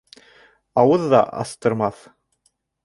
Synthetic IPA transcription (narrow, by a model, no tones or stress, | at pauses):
ɑwɤðːɑ̰ʔɑ̰θt̪ɤ̆ɾmɑθ